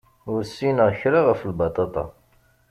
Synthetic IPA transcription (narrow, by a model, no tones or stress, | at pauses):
ʊɾsːinəʁçɾaʁəflbɑt̪ˤɑt̪ˤɑ̰